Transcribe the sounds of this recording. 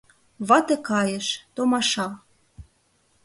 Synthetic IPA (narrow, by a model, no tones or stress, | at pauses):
βɑt̪ɤ̆kɑjə̆ʃt̪omɑʃɑl